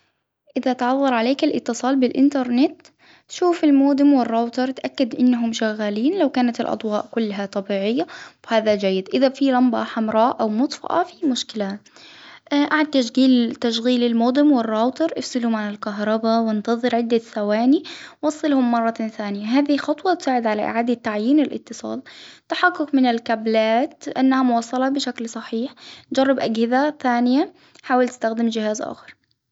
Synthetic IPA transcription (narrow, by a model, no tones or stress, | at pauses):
ʔɪðat̪ʕɑðˤːɑɾˤʕaleːkalʔɪ̰t̪ːɨsˤɑːlbɪlʔɪ̰nt̪ɑɾˤnɪt̪ | ʃuːfɪlmoːd̪ˤɪmwɪrːoːt̪ɑɾˤt̪ʔakːad̪ʔɪnːaɦʊmʃaɣːaliːnlawkaːnat̪ɪ̰lʔɑ̰d̪ˤwɑːʔkʊlːɦat̪ˤɑbiːʕɪjːawɪhaːðad͡ʒajːɪd̪ʔɪðafilɑmbɑħamɾˤɑːʔʔawmʊt̪ˤfɑ̰ʔɑ̰fimʊʃkɪla | ʔʔaʕad̪̚t̪aʃɣiːlt̪aʃɣiːlɪlmoːd̪ˤɪmwɪrːɑːt̪ɑɾˤʔɪfsɪlʊmʕanɪlkaɦɾˤɑbawɪnt̪ɑðˤɨɾʕɪd̪ːasawaːniwɑsˤːɨlhʊmːɑrˤːɑθaːnɪjaɦaːðixɑt̪ˤwɑt̪saːʕɪd̪ʕalaʔɪ̰ʕaːd̪at̪ːaʕjiːnɪlʔɪ̰t̪ːɨsˤɑ̰ːlt̪aħaqːʊkmɪnɪlkablaːt̪ʔanːahamʊwɑːsˤːɑlɑbɪʃaklsˤɑħiːħd͡ʒɑrˤːɑbʔaɡhɪðaθaːnɪja | ħaːwalt̪ɪst̪axd̪ɪmd͡ʒɪhaːzʔa̰ːxɑɾˤ